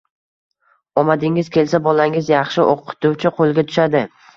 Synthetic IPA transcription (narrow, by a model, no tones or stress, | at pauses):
ɒmad̪ɪŋɪzkʲʰe̞lsabɒlaŋɪzjɑχʃɪʔoqʰːɨ̥t̪ʊwt͡ʃʰɪqʰolˠɡʲat̪ʰʊ̥ʃad̪ɪ